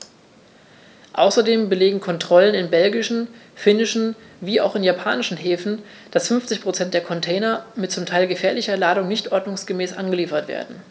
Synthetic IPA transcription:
ʔa̰ʊsɐdeːmbəleːɡŋ̩kʰɔntʁ̥ɔlənɪnbɛlɡɪʃn̩fɪnɪʃn̩viːa̰ʊxɪnjapʰaːnɪʃn̩ɦeːfn̩ | d̥asfʏnft͡sɪçpʁ̥ot͡sɛnt̚d̥eːɐkʰɔntʰɛːnɐmɪt̚t͡sʊmtʰaɪlɡəfɛːɐlɪçɐlaːdʊŋnɪçtʔɔɐdnʊŋsɡ̥əmɛːsʔa̰nɡəliːfɐtv̥ḛːɐdn̩

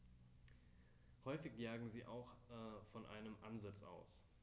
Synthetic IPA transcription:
hɔʏfɪçjaːɡŋ̩ziːʔa̰ʊxʔɛfɔnʔa̰ɪnəmʔanzat͡sʔa̰ʊs

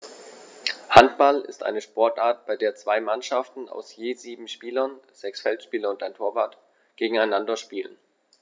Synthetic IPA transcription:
hantb̥alɪ̰stʔa̰ɪnəʃpɔɐtʔaːɐt̚b̥aɪdeːɐt͡sv̥aɪmanʃaftn̩a̰ʊsjeːziːbm̩ʃpiːlɐnz̥ɛksfɛltʃpiːlɐʊntaɪntʰoːɐvaːɐt | ɡ̥eːɡŋ̩aɪnandɐʃpiːlən

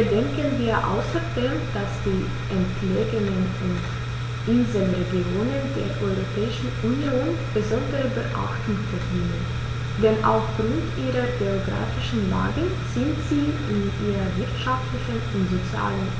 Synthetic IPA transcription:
bədɛŋkənviːɐʔa̰ʊsɐdeːmd̥asd̥iː | ʔɛntʰleːɡənən | ʊnt | ʔɪnzəlʁeɡioːnəndeːɐʔɔʏʁopʰɛːɪʃn̩unjoːn | b̥əzɔndəʁəbəʔa̰xtʊŋtfɛɐdiːnən | d̥ɛnʔa̰ʊfɡ̥ʁʊntʔiːʁɐɡeoɡʁa̰ːfɪʃn̩la̰ːɡə | z̥ɪntz̥iː | ɪnʔiːʁɐvɪɐtʃaftlɪçənʊntz̥ot͡sja̰ːlən

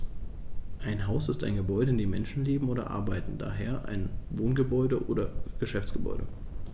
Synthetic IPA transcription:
ʔaɪnɦaʊsɪstaɪnɡəbɔʏdəɪndeːmɛnʃn̩leːbm̩oːdɐ̰ʔa̰ɐbaɪtn̩da̰ːɦeːɐʔa̰ɪnvoːnɡəbɔʏdəʔo̰ːɾɐɡ̥əʃɛft͡sɡ̥əbɔ̰ʏɾə

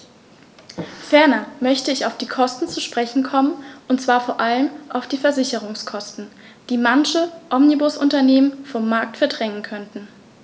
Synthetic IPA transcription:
fɛɐnɐmœçtəɪçaʊfd̥iːkʰɔstn̩t͡suʃpʁ̥ɛçn̩kʰɔmənʔʊntt͡sv̥aːɐfoːɐʔaləmʔaʊfd̥iːfɛɐzɪçəʁʊŋskʰɔstn̩ | d̥iːmançəʔɔmnibʊsʔʊntɐneːmənfɔmːaɐk̚tfɛɐdʁɛŋənkʰœntn̩

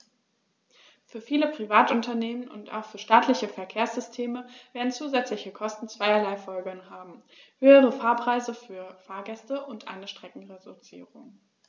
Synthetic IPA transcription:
fyːɐfiːləpʁ̥ivaːtʊntɐneːmənʊ̰nta̰ʊxfyːɐʃtaːtʰlɪçəfɛɐkʰeːɐsz̥ʏstʰeːməveːɐdn̩t͡suːzɛt͡slɪçəkʰɔstn̩t͡sv̥aɪɐlaɪfɔlɡənhaːbm̩ | høːəʁəfaːɐpʁ̥aɪzəfyːɐfaːɐɡɛstəʔʊntʔa̰ɪnəʃtʁ̥ɛkŋ̩ʁedut͡sḭːʁʊŋ

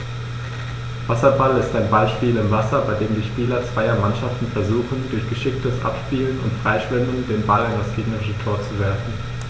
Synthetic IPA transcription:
v̥asɐbalɪstaɪnbaɪʃpiːlɪmvasɐbaɪdeːmdiːʃpiːlɐt͡sv̥aɪɐmanʃaftn̩fɛɐzuːxn̩dʊɐçɡ̥əʃɪk̚təsʔa̰pʃpiːlənʊ̰ntfʁ̥aɪʃv̥ɪmən̩deːnbalandasɡ̥eːɡnəʁɪʃətʰoːɐt͡suvɛɐfn̩

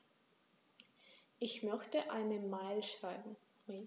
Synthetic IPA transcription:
ʔɪçmœçtəʔaɪnəmaɪlʃʁ̥aɪbm̩

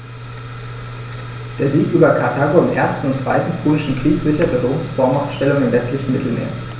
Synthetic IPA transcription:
d̥eːɐziːkʔyːbɐkʰaɐtʰaːɡoɪmʔeːɐstn̩ʊntt͡sv̥aɪtn̩pʰuːlɪʃn̩kʁ̥iːkz̥ɪçɐtədoːŋsfɔɐmaʊfʃtɛlʊŋɪmvɛstlɪçn̩mɪtʰl̩mḛːɐ

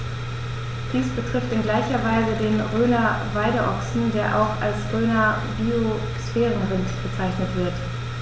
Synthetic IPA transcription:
d̥iːsb̥ətʁ̥ɪftɪnɡlaɪçɐvaɪzədeːnʁøːnɐ | vaɪɾəʔɔksn̩deːɐʔa̰ʊxa̰lsʁøːnɐ | bio | sfɛːʁənʁɪntb̥ət͡saɪçnətv̥ɪɐt

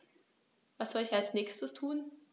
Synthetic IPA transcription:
vasz̥ɔlɪçalsnɛːçstəstʰuːn

